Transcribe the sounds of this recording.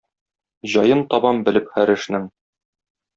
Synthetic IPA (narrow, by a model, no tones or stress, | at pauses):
ʑɒjɤnt̪ɒbɑmbɘ̆lɘpχæɾɘ̆ʃnɘŋ